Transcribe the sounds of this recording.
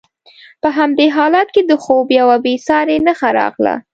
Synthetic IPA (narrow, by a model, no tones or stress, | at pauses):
pəɦamd̪eɦɑlɑt̪ked̪əxobjawabesɑɾenəxaɾɑ̰ɣla̰